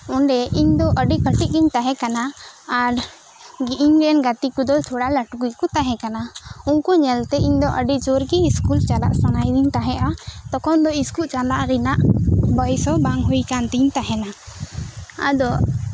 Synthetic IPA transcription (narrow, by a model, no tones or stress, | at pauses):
ɔɳɖɛʔiɲd̪ɔʔəɖikəʈiʔ̚ɡiɲt̪aɦɛ̃kanaːɾ | ɡiʔiɲɾɛnɡat̪ikud̪ɔt̪ʰuɽalaʈɡujkɔt̪aɦɛ̃kanaunkuɲɛlt̪ɛiɲd̪ɔʔəɖid͡ʒoɾɡiːskult͡ʃala̰ʔsanajd̪iɲt̪aɦɛʔat̪ɔkɔnd̪ɔiskuʔt͡ʃalaʔɾinaʔbəjsɔbaŋɦujkant̪iɲt̪aɦɛna | a̰d̪ɔʔ